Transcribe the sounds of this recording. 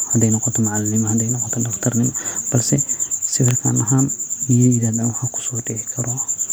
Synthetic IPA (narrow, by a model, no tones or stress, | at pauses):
hɐd̪ɛjnɔqɔt̪ʰɔmaʕalɪnɪmɐhɐd̪ɛjnɔqɔt̪ʰɔdɐft̪ʰɐrnɪmɐb̥ɐlsɛsɪβɐlkʰa̰nɐɦaːnːiiɪðalɐuhɐkʰu̥sɔːdɪɪkʰɐɾɔ